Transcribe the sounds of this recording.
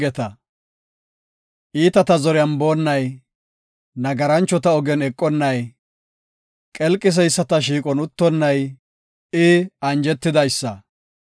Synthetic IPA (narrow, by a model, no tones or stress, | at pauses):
ɛt̪ɐ | ʔiːt̪ɐt̪ɐzɔɾɛɐmbo̞ːnːɐj | nɐɡɐɾɐnt͡ʃːɔt̪ɐɔɡɛnɛkʼːɔnːɐj | kʼɛlkʼːɪs̬ɛjsːɐt̪ɐʃ̬iːkʼɔnʊt̪ːɔnːɐj | ɪɐnd͡ʒɛt̪ːɪd̪ɐjsːɐ